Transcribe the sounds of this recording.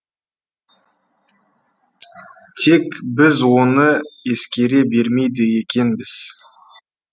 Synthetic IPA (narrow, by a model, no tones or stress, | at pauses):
t̪ʰe̞kbɪzwo̞nəe̞skʲe̞ɾe̞be̞ɾme̞jd̪əje̞kʲe̞nbɪz̥